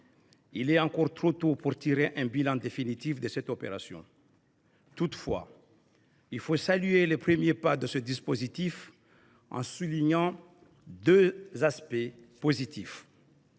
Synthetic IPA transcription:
ilɛɑ̃kɔʁt̪χot̪opuʁt̪iʁeʔɛ̃bilɑ̃d̪efinit̪ifd̪əsɛt̪ɔpḛʁasjɔ̰̃ | t̪ut̪fwa̰ | ilfosalyelepχəmjepad̪əsəd̪ispozit̪if | ɑ̰̃suliɲɑ̃ | d̪øzaspɛ | pozit̪if

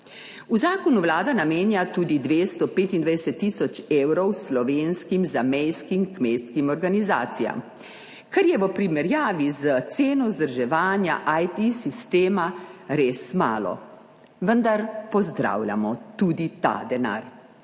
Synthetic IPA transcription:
uzaːkɔnuʋlaːd̪anameːnjat̪uːd̪id̪ʋeːst̪ɔpeːt̪ind̪ʋajd̪ɛsɛt̪ːisɔt͡ʃeːwɾɔwslɔʋeːnskimzamɛjskimkmejskimɔɾɡaniza̰ːt̪sija̰m | kaɾjɛʋəpɾimɛɾjaːʋizət̪seːnɔzd̪əɾʒɛʋaːnja̰ʔajt̪isist̪eːmaɾeːsma̰ːlɔ̰ | ʋənd̪aɾpɔzd̪ɾa̰wlʲja̰mɔt̪uːd̪it̪a̰d̪ɛna̰ɾ

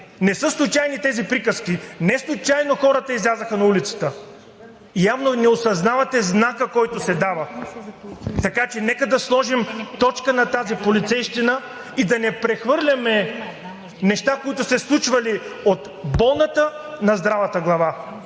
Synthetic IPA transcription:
nɛsɤslˠʊt͡ʃajnit̪ɛzipɾikəskʲinɛslˠʊt͡ʃajnoxɔɾɐt̪əizlʲazəxənɐulit̪sə̥t̪ə | javnonɛosɐznavɐt̪ɛznakəkɔjt̪ʊsɛd̪avə | t̪ɐkat͡ʃɛnɛkəd̪ɐslˠɔʒimt̪ɔt͡ʃkənɐt̪azipolit̪sɛjʃt̪inə | id̪ɐnɛpɾɛxvɤɾlʲɐmɛ | nɛʃt̪akoit̪ʊsɛslˠut͡ʃvɐliot̪ | bɔlˠnɐt̪ə | nɐzd̪ɾavɐt̪əɡlˠɐva

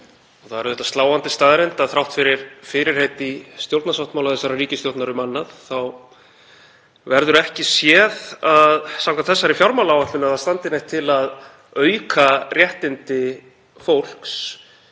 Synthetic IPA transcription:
ɔθaðɛɾðɛht̪ḁst̪laːwant̪ɪst̪aːðɾɛjnt̪aðθɾawht̪fɪɾɪɾ̥fɪɾɪɾ̥ejt̪ist̪jowlt̪nasawht̪mawlaðθɛsːaɾariːcɪst̪jowt̪naɾʏmanːaðθaw | vɛɾðʏɾɛhcɪsjɛðaðsawŋkaθɛsːaɾɪfjawɾmawlawvat̪lʏnaθast̪ant̪ɪnɛjht̪ʰɪlað | œːɥkʰarjɛht̪ɪnt̪ɪ | fowl̥ks

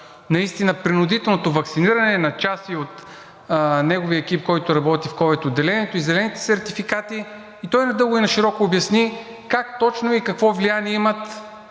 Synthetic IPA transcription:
nɐist̪inəpɾinʊd̪it̪ɛlˠnot̪ovɐksiniɾɐnɛnɐt͡ʃasiot̪ | nɛɡoviəɛk̟ipkɔjt̪ʊɾɐbɔt̪ifkɔvɛt̪ʊd̪ːɛlɛnʲɛt̪oizɛlɛnit̪ɛ̥sɛɾt̪ifikat̪iː | t̪ɔjnɐd̪ɤlˠɡʊinɐʃiɾɔkoːbjɐsni | kak̚t̪ɔt͡ʃnoikɐkvɔvlianiɛimət̪

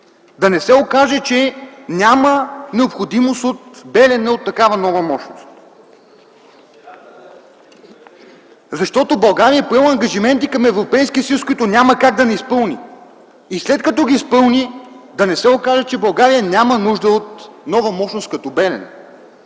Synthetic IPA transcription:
d̪ɐnɛsɛokaʒɛt͡ʃɛnʲamənɛopxod̪imost̪ot̪bɛlɛnɛot̪ːɐkavənɔvɐmɔʃno̰st̪ | zɐʃt̪ɔt̪obɐlˠɡaɾijəɛpɾavɐŋɡɐʒimɛnt̪ikɐmɛvɾopɛjskʲiəsɐjuskoʊit̪ʊnʲaməkaɡ̚d̪ɐnɛispɤlˠniː | slɛt̪kɐt̪ɔɡiispɤlˠnid̪ɐnɛsɛokaʒɛt͡ʃɛbɐlˠɡaɾijənʲamənuʒd̪əot̪nɔvɐmɔʃnost̪kɐt̪ɔbɛlɛ̰nɛ̰

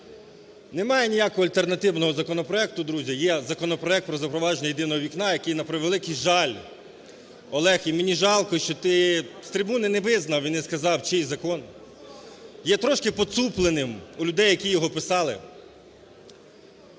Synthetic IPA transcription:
nemɑjɛnʲijakɔɦɔɐlʲt̪ernɐt̪ɪwnɔɦɔzɐkɔnɔpɾɔɛk̚t̪ʊd̪ɾuzʲɐjɛzɐkɔnɔpɾɔɛk̚t̪̚pɾɔzɐpɾɔʋɑʒenʲɐjed̪ɪnɔɦɔʋʲiknɑjɐkɪjnɐpɾʋelˠɪkɪjʒɑlʲ | ɔlˠɛximɪnʲiʒɑlˠkɔʃt͡ʃɔt̪ɪst̪ɾʲɪbunɪnɛʋɪznɐwʋinːɛskɐzɑwt͡ʃɪjzɐkɔn | jɛt̪ɾɔʃkɪpɔsuplˠenɪmulʲʊd̪ɛjːɐkʲijɔɦɔpɪsɑlˠɪ̰

